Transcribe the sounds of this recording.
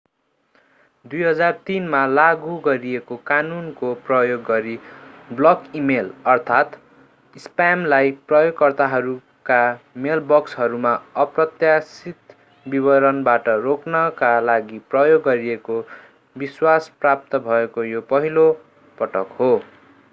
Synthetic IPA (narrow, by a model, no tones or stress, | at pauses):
d̪ujɦʌd͡zart̪inmalaɡuɡʌɾiekokanunkoprʌjoɡːʌɾiblʌkimelʌrt̪ʰat̪ | ispamlajprʌjoɡkʌrt̪aɦʌɾu | kamelbʌksɦʌɾumaʌprʌt̪jasit̪ | bibʌɾʌnbaʈʌroknʌkalaɡiprʌjoɡːʌɾieko | biswasprap̚t̪ʌbʱʌekojopʌɦilo | pʌʈʌkho